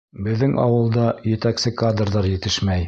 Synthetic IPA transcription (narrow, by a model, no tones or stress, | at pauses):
bɘ̆ðːɘŋʔɑ̰wɤ̆lˠd̪ɑjɘ̆t̪æksɘkad̪rðɑɾjɘ̆t̪ɘʃmæj